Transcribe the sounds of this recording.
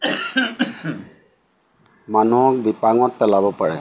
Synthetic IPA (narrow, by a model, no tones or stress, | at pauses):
manuɔk̚bipaŋɔt̚pɛlabɔpaɹɛ̰